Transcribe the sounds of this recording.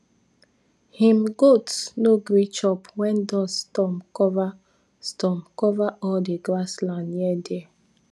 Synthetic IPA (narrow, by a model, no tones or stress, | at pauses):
hĩmɡotsnoɡɾit͡ʃɔpwɛ̃ndɔsstɔmkɔva | stɔmkɔvaʔɔldeɡɾaslãnjɛdeɛ